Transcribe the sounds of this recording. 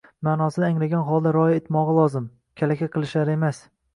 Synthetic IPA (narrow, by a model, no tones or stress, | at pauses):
maːnɒsɪd̪ɪaŋlaɡʲanχɒlˠd̪aɾɒjɪet̪mɒʁɨlˠɒzɪm | kʲʰalakʲaqʰɨlˠɪʃlaɾɪe̞mas